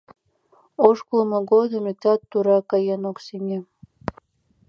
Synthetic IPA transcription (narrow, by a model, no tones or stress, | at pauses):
oʃkulˠmɤ̆ɡod̪ɤ̆mʲit̪ʲɑt̪ːuɾɑkɑjenoksʲemʲe